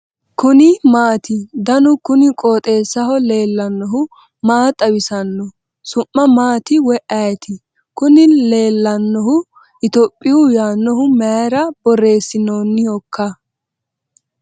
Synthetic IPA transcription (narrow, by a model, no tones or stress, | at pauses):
kʊnɪmaːt̪ɪd̪ɐnʊkʊnɪkʼoːt̪ʼe̞ːsːɐhɔle̞ːlːɐnːɔɦʊ | maːt̪ʼːɐwɪsɐnːɔ | sʊʔːɐmaːt̪ɪwɛʔɐjɛt̪ɪ | kʊnɪle̞ːlːɐnːɔhʊ | ʔɪt̪ɔpʼːɪjʊjaːnːɔɦʊmɛɾɐb̥ɔre̞ːsːɪnoːnːɪjɔkːɐ